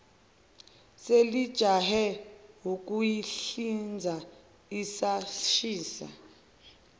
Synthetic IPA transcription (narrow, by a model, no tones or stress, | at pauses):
selid̥ʒ̥ʱaɦɛɦuk̬ʼujiɬind͡zʱa | isaʃiːsa̰